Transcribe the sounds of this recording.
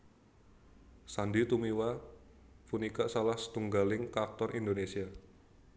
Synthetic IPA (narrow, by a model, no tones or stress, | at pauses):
sandit̪umiwa | funikaʔsalahsə̥t̪uŋɡalɪŋkart̪ɔrʔind̪onesia